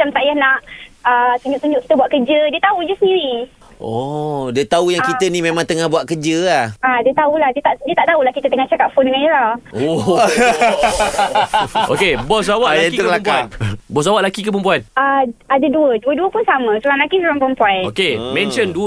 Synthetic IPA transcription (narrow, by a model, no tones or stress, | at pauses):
at͡ʃamt̪aʔjahnaʔəsuɲd͡ʒʊʔsuɲd͡ʒuʔki̥t̪əbuaʔkəd͡ʒədiət̪aud͡ʒəsəndiɾi | ɔdiət̪aujaŋkit̪ənimemãŋt̪əŋahbuaʔkəd͡ʒəlahadiət̪aulahdiət̪aʔdiət̪aʔt̪aulahkit̪ət̪əŋaht͡ʃakat̪̚fondəŋaniɾao | ʔo̰kebɔs̬awaʔljait̪uklamkaanbɔs̬awaʔlakikəpəmpuanəadaduəduəduəpʊnsamə̃səlaŋlakisoɾaŋpəɾəmpuanokemɛ̃nt͡ʃənduə